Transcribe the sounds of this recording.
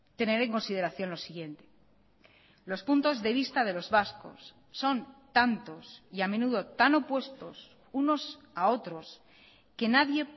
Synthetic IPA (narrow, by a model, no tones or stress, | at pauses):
t̪e̞ne̞ɾẽ̞ŋko̞nsið̞e̞ɾaθjo̞nlo̞siɣje̞nt̪e̞ | lo̞spunt̪o̞zðe̞β̞ist̪að̞e̞lo̞zβasko̞̰sː | o̞nt̪ant̪o̞siame̞nuðo̞t̪ano̞pwe̞st̪o̞s | uno̞s | ao̞t̪ɾo̞s | ke̞naðje̞